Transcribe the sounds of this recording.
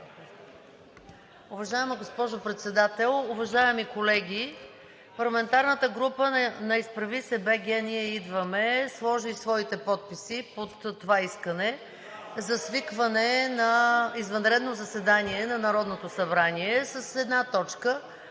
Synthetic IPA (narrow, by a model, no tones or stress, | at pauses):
ʊvɐʒaɛməɡospɔʒopɾɛt̪sɛd̪at̪ɛlˠʊvɐʒaɛmikolɛɡʲi | pɐɾlˠɐmɛnt̪aɾnət̪əɡɾupənɐispɾɐvisɛbɛɡʲɛniɛid̪vəmɛslˠɔʒisvɔit̪ɛpɔt̪̚pisipot̪ːovaiskənɛ | zɐsvikvənɛnɐizvɐnɾɛd̪nozɐsɛd̪aniɛnɐnɐɾɔd̪not̪osɐbɾaniɛsəsɛd̪nat̪ɔt͡ʃkə